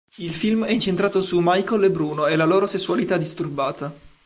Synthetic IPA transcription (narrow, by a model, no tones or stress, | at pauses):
ilfilmɛint͡ʃent̪ɾaːt̪osumajkolebɾuːnoelːaloːɾosesːualit̪ad̪ːist̪urbaːt̪a